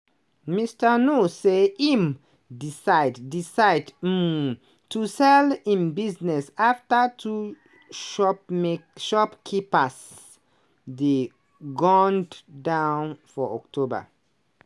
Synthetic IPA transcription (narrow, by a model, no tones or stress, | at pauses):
mistənuseim | disaɪddisaɪd | tusɛlĩnbiznɛsaftətʰu | ʃɔ | ʃɔpkʰipas | de | ɡɔ̃nddãʊnfɔɔ̰k̚tʰoba̰